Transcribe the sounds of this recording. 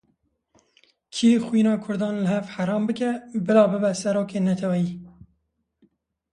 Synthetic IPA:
kʰiːxwinɑːkʰʊɾd̪ɑːnləɦɛvħaɾɑːmbɨkɛbɨlɑːbɨbɛsɛɾoːkeːnɛt̪ʰɛwɛjiː

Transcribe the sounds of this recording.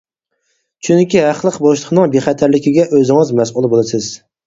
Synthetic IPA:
t͡ʃʰyŋkʲiɦæχlˠəqboʃlˠəqnɨŋbeχæt̪ʰæɾlɪkʲiɡʲɛʔøzɪŋɨzmɛsulˠbolˠɨsɪz̥

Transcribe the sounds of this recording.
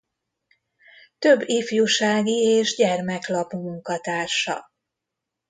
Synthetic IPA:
t̪ø̞bːifjuʃaːɡieːʒɟɛrmɛklɒpumuŋkɒt̪aːrʃɒ̰

